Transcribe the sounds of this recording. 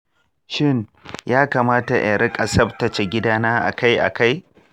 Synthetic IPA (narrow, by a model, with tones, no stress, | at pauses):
ʃɪ˦˨njaː˦kaː˨maː˦ta˨ʔa̰˨ɾɪ˦kʼɐ˨sɐ˦btɐ˨t͡ʃe˨ɡʲɪ˦daː˦naː˦ʔa̰˨ka˦jʔa̰˨ka˦j